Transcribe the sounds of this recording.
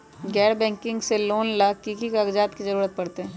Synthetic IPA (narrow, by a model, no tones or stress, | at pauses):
ɡɛːɾbɛ̃ːŋkɪ̃ŋɡseloːnlakikikaːɡd͡ʒaːt̪kizɐɾuːɾət̪̚pɐɽt̪eɦɛ̃